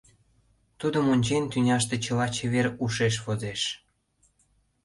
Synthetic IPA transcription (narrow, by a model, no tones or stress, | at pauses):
t̪ud̪əmonʲt͡ɕenʲt̪ynʲɑʃt̪et͡ɕəlɑt͡ɕeβeɾuʃeʃ̬βozeʃ